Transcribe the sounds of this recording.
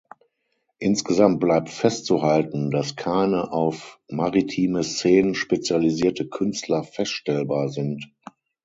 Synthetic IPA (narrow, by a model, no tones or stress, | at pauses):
ʔɪnsɡ̥əzamt̚b̥laɪp̚tfɛstt͡suhaltn̩daskʰaɪnəʔaʊfmaʁitʰiːməst͡seːnənʃpet͡sjaliziːɐtəkʰʏnstʰlɐfɛstʃtɛlbaːɐzɪnt